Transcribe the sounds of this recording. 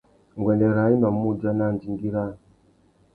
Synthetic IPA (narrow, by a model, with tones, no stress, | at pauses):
ŋ˨ɡwɛ˨ndɛ˨ɾa˨˦i˦na˨mu˦˨d͡ʒa˦na˦˨nd͡ʒi˨ŋɡi˦ɾa˦